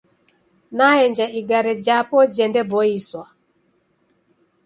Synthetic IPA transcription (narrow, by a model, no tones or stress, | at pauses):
naɛɲd͡ʒaʔiɡaɾɛd͡ʒapɔd͡ʒɛndɛbɔiswa